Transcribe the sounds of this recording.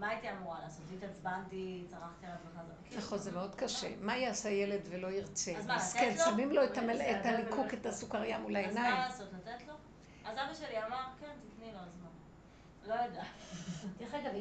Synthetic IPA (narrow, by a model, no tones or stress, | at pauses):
mait̪iamuʁalaːso̞t̪it̪at͡sbant̪it͡saʁaχt̪ialatlanazakaχolzemeo̞d̪kaʃḛmajaːsajele̞dvelo̞iʁt͡sezaaskelsamimlo̞etaet̪alikʰuket̪asukaʁjamulajznajlaːsot̪lat̪et̪lo̞ | azabaʃeliamaʁkent̪ikniloazman | lo̞jod̪eat̪jaχekav